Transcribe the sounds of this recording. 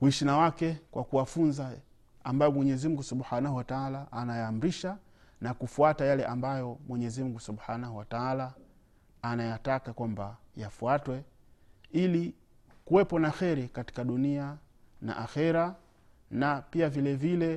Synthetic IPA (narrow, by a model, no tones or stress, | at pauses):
wuiʃinawakɛkwʔakuwafunza | ambajɔmwɛɲɛzim̩ŋɡusuɓħanahuwataalaʔːnajaːm̩ɾiʃa | nakufuatajalɛʔambajɔmwɛɲɛzim̩ɡusuɓħaːnaɦuwataalaː | najatakakwambajafuatwɛ | ili | kuwɛpɔnaxɛɾɛkati̥kaɗunia | na̰ʔaxɛɾa | napiavilɛvilɛ